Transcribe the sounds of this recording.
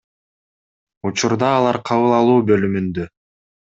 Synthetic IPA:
ut͡ʃuɾd̪ɑːlˠɑɾqʰɑβɯlˠɑlˠuːbø̞lymynd̪ø

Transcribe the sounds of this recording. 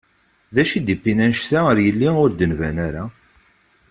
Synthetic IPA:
ðæʃid̪ipːinænʃtθaəɾjəlːiʊɾd̪ənvænæɾa

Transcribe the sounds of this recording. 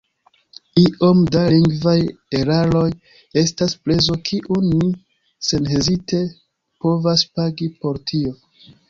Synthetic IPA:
iʔo̞mdaliŋɡvajeɾaɾo̞j | e̞stasple̞zo̞kʰiʔuni | se̞nɦe̞zite̞ | po̞vaspaɡipo̞ɾtʰio̞

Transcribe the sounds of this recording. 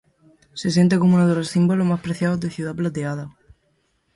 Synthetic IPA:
ses̬je̞nt̪̬ekomunoðelosimbolozmaspɾeθjaozðeθjuðaplat̪eað̞a

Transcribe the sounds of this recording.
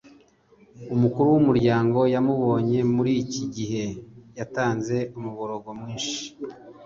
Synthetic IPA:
umukuɾuwumuɾɟaːŋɡo̞jamuβo̞ːɲe̞muɾiciɟiɦe̞jataːnze̞umuβoɾo̞ɡomŋiːnʃi̥i̥

